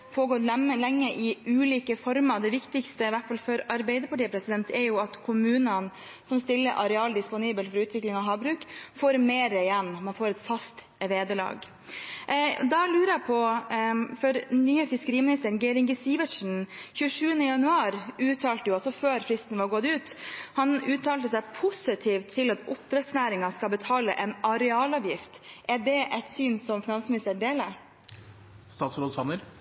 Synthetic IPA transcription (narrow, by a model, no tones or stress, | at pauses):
pʰoːɡɔt̪əlɛŋːəʔɪʔʉːliːkəfɔɾmɑd̪ɛʋɪkt̪ɪkst̪əɪʋæʈfɑlfœɾɑɾbɛɪd̪əpɑʈiːəpɾɛsɪd̪ɛnt̪ɛɾjʊɑt̪kʰʊmʉːnən | sɔmst̪ɪlːəɾʔɑɾɛɑːld̪ɪspʊniːbəlfɔɾʉːt̪ʋɪklɪŋɑɦɑːbɾʉːkfoːɾmeːɾəjɛnːmɑnfoːɾɛt̪fɑst̪ | ʋeːd̪əlɑ̰ːɡ | d̪ɑlʉːɾəɛpʰɔ | fɔɾnyːəfɪskəɾiːmɪnɪst̪əɾnɡeːɾɪŋɡəsiːʋəʂn̩çʉːəʂʉːənəjɑnʉɑːɾʉːt̪ʰɑːlt̪əjʊɑlsɔføːɾfɾɪst̪ənʋɑɾɡɔd̪ʉːt̪hɑnʉːt̪ʰɑːlt̪əsæɪpʰʊsɪt̪ʰiːft̪ʰːɪlɑt̪ʊp̚t̪ɾɛt̪snæːɾɪŋɑskɑlbət̪ʰɑːləʔɛnʔɑɾɛɑːlɑʋjɪft̪ʔæɖɛʔɛt̪syːnsɔmfɪnɑnsmɪnɪst̪əɖeːləɾ | st̪ɑːt̪sɾoːd̪sɑnːəɾ